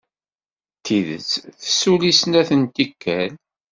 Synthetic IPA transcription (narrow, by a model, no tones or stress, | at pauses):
t̪ʰiðə̰t͡sθəsulisnæθənt̪ikːæl